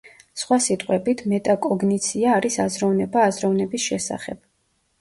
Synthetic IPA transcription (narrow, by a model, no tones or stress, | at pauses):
sχwasit̪ʼqʼwɛbit̪ʰmɛt̪ʼakʼɔɡnit̪sʰiaːɾisazɾɔvnɛbaːzɾɔvnɛbisʃɛsa̰χɛb̥